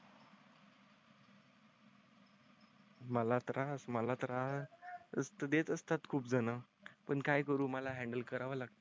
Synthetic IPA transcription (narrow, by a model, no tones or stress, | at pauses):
məlat̪ɾʔasməlat̪ɾa | əst̪əd̪et̪əst̪at̪kʰuːp̚d͡zənapəɳkajkəɾuːməlaɦæ̃ɳɖəlkəɾaʋəlaɡ̚t̪ə